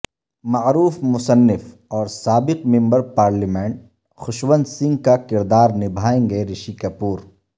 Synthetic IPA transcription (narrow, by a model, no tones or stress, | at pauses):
mɐʕɾuːfmʊsənːɪf | ɔːɾsaːbɪqmɪ̃mbəɾpaːɾlimẽːɳʈ̚ | xʊʃwə̃nd̪sɪ̃ŋɡkakɪɾd̪aːɾnɪbʱaːẽːŋɡeɾɪʃikɐpuːɾ